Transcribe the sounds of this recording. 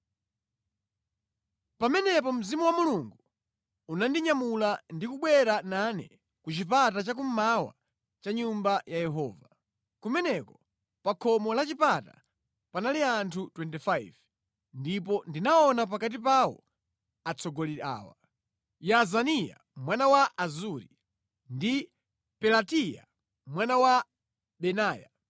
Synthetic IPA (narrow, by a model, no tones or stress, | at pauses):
pamɛnɛp̬ɔm̩zimuwamuluŋɡu | unandiɲamulandikuɓwɛɾananɛ̰ | kut͡ʃipatat͡ʃak̬um̩mawa̰ | t͡ʃaɲumbajajɛɦɔːva | kumɛnɛkɔ̥ | pakʰɔmɔlat͡ʃipata̰ | panaliantʰutwɛntifajv | ndipɔndinaɔnap̬akat̬ipawɔ̰ | at͡sʰɔɡɔliɾa̰ːwa̰ | jazanija̰ | mwanawaʔazuɾi | ndi | pɛlatija̰ | mwanawa | ɓɛnaːja̰